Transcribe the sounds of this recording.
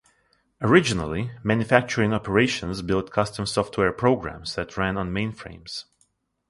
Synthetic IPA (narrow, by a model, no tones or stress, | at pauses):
əɹɪd͡ʒɪnə̰l̩ˠimæ̃njɨfæk̚t͡ʃəɹɪ̃ŋɔpʰəɹeɪʃə̃nzbɪlˠtkʰʌstə̃msɔftʰwɛɹpʰɹ̥oʊɡɹæ̰̃mzðɨtʰɹæ̃nə̃nmẽɪ̃nfɹḛ̃ɪ̃mz̥